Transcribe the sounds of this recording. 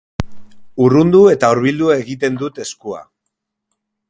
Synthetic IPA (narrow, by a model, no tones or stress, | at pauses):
urund̪ue̞t̪auɾβild̪uaeɣit̪e̞nd̪ut̪e̞skua̰